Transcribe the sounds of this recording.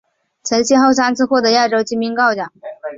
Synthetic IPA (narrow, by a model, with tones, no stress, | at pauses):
t͡sʰə˧˥nɕɛ˥nxo˥˩ʊsa˥nt͡sʰɹ̩˥xwɔ˥˩d̪ɤ˧˥˦ja˥˩ʈ͡ʂo˥ʊt͡ɕi˥mi˧˥ŋkɑ˥˧ʊt͡ɕjɑ˨˩˦ŋ